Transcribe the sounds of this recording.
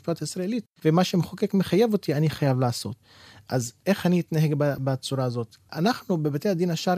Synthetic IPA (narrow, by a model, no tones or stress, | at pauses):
pajotaisʁaelitvemaʃemχoke̞kmeχajevo̞tianiχajavlaːso̞̰t | ʔaze̞χaniːt̪naɦe̞ɡbabat͡suʁaːzo̞tanaχnubebatejad̪inaʃaɾ